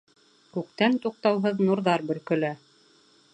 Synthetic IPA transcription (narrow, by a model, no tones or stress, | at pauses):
kʉk̚t̪ænt̪uq̚t̪ɑwɦɤðnuɾðɑɾbɵ̆lkɵ̆læ